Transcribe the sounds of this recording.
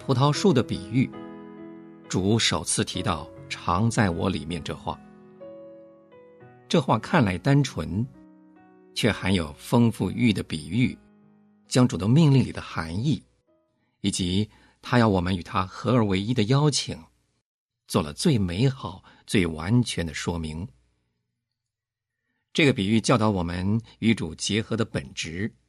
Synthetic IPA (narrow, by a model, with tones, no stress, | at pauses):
pʰu˧˥t̪ʰɑ˥ʊʂu˥˩d̪ə˩pi˨˩y˥˩ | ʈ͡ʂu˨˩˥ʂo˨˩ʊt͡sʰɹ̩˥˩t̪ʰi˧˥t̪ɑ˥˩ʊʈ͡ʂʰɑ˧˥ŋt͡sa˥˩ɪwɔ̰˧˥lḭ˨˩mjɛ˥˧nʈ͡ʂɤ̰˥˧xwa̰˥˩ | ʈ͡ʂɤ˥˧xwa˥˩kʰa˥˩nla˧˥ɪt̪a˥nʈ͡ʂʰwə˧˥n | t͡ɕʰɥɛ˥˩xa˧˥ɪjo˨˩ʊfɤ˥ŋfu˥˧y˥˩d̪ə˩pi˨˩y˥˩ | t͡ɕjɑ˥ŋʈ͡ʂu˨˩d̪ə˧mi˥˧ŋli˥˩ŋli˨˩d̪ə˦xa˧˥ni˥˩ | i˨˩t͡ɕi˧˥ | t̪ʰa˥jɑ˥˩ʊwɔ˨˩mə˦ny˨˩t̪ʰa˥xɤ˧˥ə˞˧˥we˧˥ɪi˥d̪ə˨jɑ˥ʊt͡ɕʰi˨˩˦ŋ | t͡swɔ˥˩lə̰˩t͡swe˥˩ɪme˧˥ɪxɑ˨˩ʊ | t͡swe˥˩ɪwa̰˧˥nt͡ɕʰɥɛ˧˥nd̪ə˧ʂwɔ˥mi˧˥ŋ | ʈ͡ʂɤ˥˩ɡə˩pi˨˩y˥˩t͡ɕjɑ˥˩ʊɑ˧˥ʊwɔ˨˩mə˦ny˧˥ʈ͡ʂu˨˩t͡ɕjɛ˧˥xɤ˧˥d̪ə˧pə˨˩nʈ͡ʂɻ̩˧˥